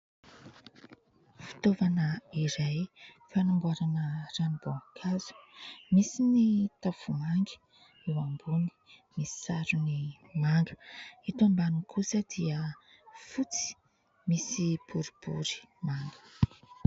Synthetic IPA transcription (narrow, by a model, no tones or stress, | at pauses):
fi̥t̪ovanəiɾaj | fanamɡuaɾanəranib̥okʰazu̥misinit̪afumaŋɡi̥ | ewambuni̥ | misi̥saɾuni | maŋɡə̥it̪ambanikʰusəd̪̥iə | fut͡si̥ | misib̥uɾib̥ṵɾi̥maŋɡə̥